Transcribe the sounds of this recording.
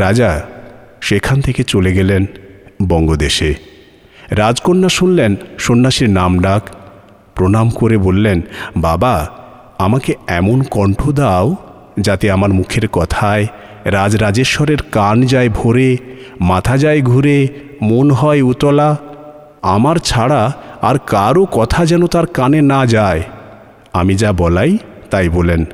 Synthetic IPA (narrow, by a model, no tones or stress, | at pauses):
ɾad͡ʑa | ʃekʰant̪ʰeket͡ɕoleɡelenbɔŋɡod̪eʃe | ɾad͡ʑkonːaʃunlenʃonːaʃiɾnamɖak | pɾonamkoɾebolːenbaba | amakeɛmonkɔɳʈʰod̪ao | d͡ʑat̪eamaɾmukʰeɾkɔt̪ʰae | ɾad͡ʑɾad͡ʑeɾʃɔɾeɾkand͡ʑaebʱoɾemat̪ʰad͡ʑaeɡʱuɾe | monɦɔeut̪ɔla | amaɾt͡ɕʰaɽaaɾkaɾokɔt̪ʰad͡ʑɛnot̪aɾkanenad͡ʑae | amid͡ʑabɔlaj | t̪ajbolen